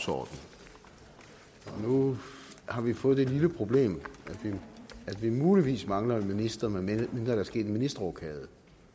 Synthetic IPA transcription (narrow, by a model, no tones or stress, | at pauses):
sɒ̰d̥n̩ | ɒ̽nu | hɑ̈ʋifɔ̽ːð̩̥ˠe̝dliləpʰʁo̝b̥le̝̰ːmæ̥ʋiæd̥ʋimuːliʋḭːsmɑ̈ŋlɐminisd̥ɐmeemend̥æɾɑsɡ̥e̝̰ːd̥minisd̥ʁɒkʰɛːðˠ